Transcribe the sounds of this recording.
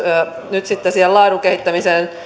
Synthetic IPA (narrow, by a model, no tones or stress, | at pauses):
nyt̪sit̪ːesielɑːduŋkehit̪ːæmiseːn